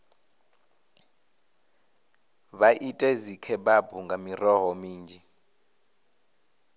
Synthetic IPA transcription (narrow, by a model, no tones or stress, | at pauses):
ɓaʔitʼezikʰɛɓabʱuŋɡʱamirɔɦɔmiːnd͡ʒʱi